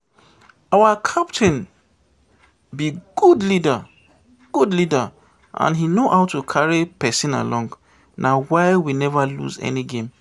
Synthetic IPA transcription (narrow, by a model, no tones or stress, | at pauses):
awakʰap̚tʰĩn | biɡ̥udlida | ɡ̥udlida | ʔã̰nɦinohaʊtukʰaɹipɛsĩna̰lɔ̃ŋɡ | nʔawaɪwinɛvalṵzɛ̰niɡẽm